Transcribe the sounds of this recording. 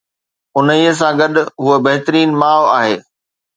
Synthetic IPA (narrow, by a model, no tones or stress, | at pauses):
ʊnəiːəs̬ãɡɐɗʊ̆ɦuəbɐɦɪt̪əɾiːnmaːʋaːɦeː